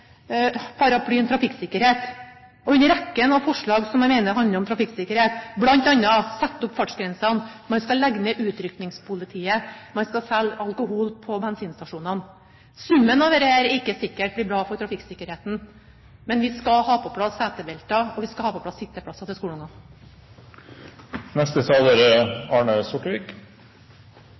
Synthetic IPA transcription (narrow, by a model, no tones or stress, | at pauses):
pʰɑɾɑpʰlyːɛnt̪ʰɾɑfɪksɪkːəɾheːt̪ | ɔʉnːəɾɛkːənɑʋfɔʂɭɑːɡsɔmæɪmeɪnəɾɦɑnd̪əɾɔmt̪ʰɾɑfɪkːsɪkːəɾheːt̪blɑnt̪ɑnːɑsɛt̪ːʊpːfɑʈʂɡɾɛnsɑnmɑnskɑlæɡnəʔʉːt̪ɾʏknɪŋspʰʊlɪt̪ʰiːəmɑnskɑsɛlːɑlkʊɦuːlpʰɔbɛnsiːnst̪ɑʂuːnɑn | sʉmːənɑʋɛːɾəæːɾɪkːəsɪkːəʈbɽiːbɾɑːfɔʈ̪ʰɾɑfɪkːsɪkːəɾheːt̪n̩ | mɛnʋɪskɑhɑːpʰɔpʰlɑsæːt̪əbɛlt̪ɑɔʋɪskɑhɑːpɔpʰlɑsɪt̪ːəpʰɽɑsːɑt̪ʰɪlskuːlʊŋɑ | nɛst̪ət̪ʰɑːloːɾəɑːɳəsɔʈəʋiːk